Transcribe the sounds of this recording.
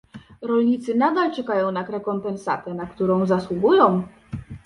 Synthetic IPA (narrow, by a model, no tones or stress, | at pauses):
ɾɔlɲit̪sɘnad̪alt͡ʂɛkajɔ̃w̃nakɾɛkɔmpɛnsa̰t̪ɛnakt̪uɾɔ̃w̃zaswuɡujɔ̃w̃